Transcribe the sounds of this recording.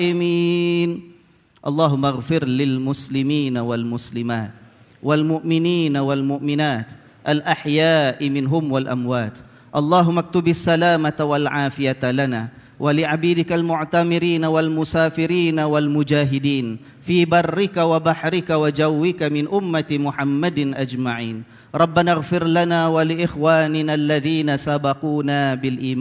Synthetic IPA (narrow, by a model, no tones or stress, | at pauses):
ʔɪmiːn | ʔɑlˤːɑːɦʊmːaɣfɪɾlɪlmʊslɪmiːnawalmʊslɪmaːt̪̚ | walmʊʔmɪniːnawalmʊʔmɪnaːt̪ | ʔalʔaħjaːʔmɪnɦʊmwalʔa̰mwaːt̪ | ʔɑlˤːɑːɦʊmːak̚t̪ʊbasːalaːmat̪awalʕaːfɪjat̪lanaː | wʔalɪʕabiːd̪ɪkalmʊʕt̪amɪɾiːnawalmʊsaːfɪɾiːnawalmʊd͡ʒaːɦɪd̪iːn | fiːbɑrˤːɪkawabaħɾɪkawad͡ʒawːɪkamɪnʔʊmːat̪mʊħamːad̪ʔad͡ʒmaʕiːn | ɾˤɑbːanaɣfɪɾlanaːwalɪʔɪxwaːnɪnalːaðiːnasabɑquːnaːbɪlʔiːmaː